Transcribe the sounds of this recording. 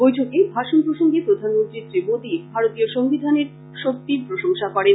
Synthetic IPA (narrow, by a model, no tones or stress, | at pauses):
bojtʰokebʱaʃonpɾoʃoŋɡepɾod̪ʱanmont̪ɾit̪ɾimod̪ibʱaɾot̪ioʃoŋbid̪ʱaneɾ | ʃok̚t̪ipɾoʃoŋʃakɔɾen